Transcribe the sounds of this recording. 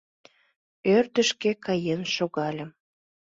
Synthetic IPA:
ørt̪əʃkekɑjenʃoɣɑlʲə̆m

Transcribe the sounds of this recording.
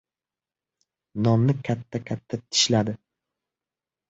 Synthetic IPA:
nɒmnɪkʲʰat̪ʰːakʲʰat̪ʰːat̪ʰɪ̥ʃlad̪ɪ

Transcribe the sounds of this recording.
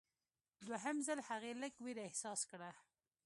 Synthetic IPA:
d̪waɦəmzalhaɣeləɡwiɾaɪhsɑskɽa

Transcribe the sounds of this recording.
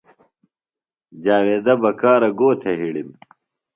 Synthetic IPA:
d͡ʑaːweːd̪ɐbɐkaːɾɐɡoːt̪ʰeɦiɽim

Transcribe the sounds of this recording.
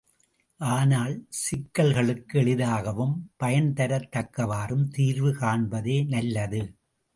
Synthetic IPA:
ʔaːnaːlsɪkːɐlɣɐɭɯkːɯɛɭɪðaːɣɐʋɯmpɐjɐnt̪ɐɾɐt̪ːɐkːɐʋaːrɯmt̪iːɾʋɯkaːɳbɐðeːnɐlːɐðɯ

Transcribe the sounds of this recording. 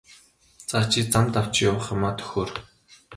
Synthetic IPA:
t͡saːt͡ɕʰit͡samt̪aw̥t͡ɕjawə̆χămaːt̪ʰɵ̥xoːr

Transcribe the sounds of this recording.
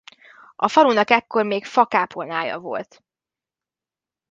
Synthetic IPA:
ɒfɒɾunɒkɛkːo̞rmeːkfɒkaːpʰonaːjɒ̰vo̞̰lt̪

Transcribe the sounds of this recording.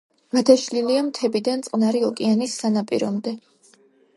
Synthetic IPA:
mad̪ʰaʃliliamt̪ʰɛbid̪ant̪sʼqʼnaɾiɔkʼianisːanapʼiɾɔmd̪ɛ

